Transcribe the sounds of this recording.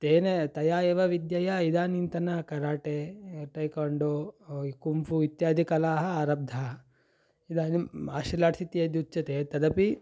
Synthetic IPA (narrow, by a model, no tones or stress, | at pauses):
t̪eːnet̪ɐjaːjeːʋɐʋid̪jɐjɐid̪aːnint̪ɐnɐkɐɾaːʈeʈɐjkoɳɖokumfuit̪jaːd̪ʱikɐlaːɦɐaːɾɐb̚d̪ʱɐ | id̪aːnia̰ːʃilaːʈsit̪ijɐd̪ut͡ʃɐt̪eːt̪ɐd̪ɐpi